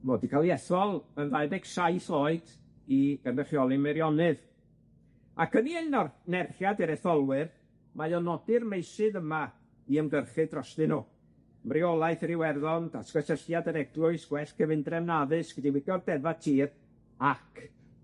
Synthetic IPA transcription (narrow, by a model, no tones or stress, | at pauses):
moːdikʰalˠjɛθɔlˠənðajbɛɡ̥sajθoːɨd̥ | iɡ̥anrəχjɔlˠimɛɾjɔnɨð | akʰəniejnɔrnɛrχjadiɾɛθɔlˠwɨr | majɔnɔdɪrmejsɨðəma | iəmɡərχɨdrɔstɨnu | mrɪɔlˠajθrɪwɛrðɔnd̥askɔsəɬjadəɾɛɡlˠʊɨsɡ̥wɛɬkʰəvɪndrɛmnaðɨsɡ̥ədiwɪɡjɔrdɛvatʰiːr | akʰ